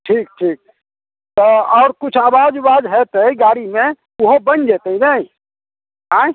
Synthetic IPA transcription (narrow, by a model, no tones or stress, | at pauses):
ʈʰiːk̚ʈʰiːk̚ | t̪oɔːɾkʊt͡ʃʰaːʋaːd͡ʒʋaːd̪ɦɛːt̪iɡaːɽimẽ | ʊɦobɐnd͡ʒeːt̪eɦinaĩ | ɦãː